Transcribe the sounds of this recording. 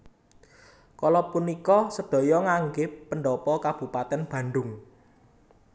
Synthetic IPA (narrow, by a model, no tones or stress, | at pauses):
kɔlɔpunikɔsəd̪̥ɔ̤jɔŋaŋɡɪːəɳɖɔpɔkab̥ṳpat̪ɛnb̥ä̤nɖʊŋ